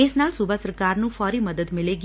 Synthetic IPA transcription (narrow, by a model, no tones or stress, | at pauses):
esnaːlsʊbʱasəɾkaːɾnũːfɔːɾiːməd̪əd̪mɪleɡi